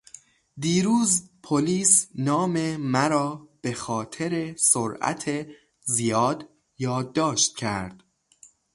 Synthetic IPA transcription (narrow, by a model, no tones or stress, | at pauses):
d̪iːɾuːzpʰoliːsnɒːmemæɾɒːb̥e̞xɒːt̪ʰe̞ɾesoɾæ̰t̪ʰe | zijɒːd̪ | jɒːd̪ːɒːʃt̪̚cʰæɾd̪̥